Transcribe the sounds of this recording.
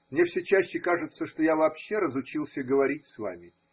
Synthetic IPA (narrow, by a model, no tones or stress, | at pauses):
mnʲe̞fsʲɵt͡ɕæɕːɪkaʐɨt̪səʂt̪ojavɐːpɕːe̞ɾəzʊt͡ɕilˠsʲəɡəvɐɾʲitʲsva̰mʲɪ